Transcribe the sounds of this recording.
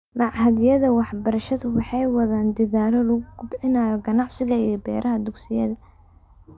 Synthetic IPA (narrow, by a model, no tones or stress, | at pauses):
lɑʕɦɐðjɐðɐwɑħbɐɾɐʃɐðʊwɑħɑjwɑðaːnd̪ɪðaːlɐlɔɣʊɡʊbʕɪnaːjɔɡɐnɑʕsɪɣɐijɔbɛːɾʔɐɦɐd̪ʊɡsɪjɐ̰ðɐ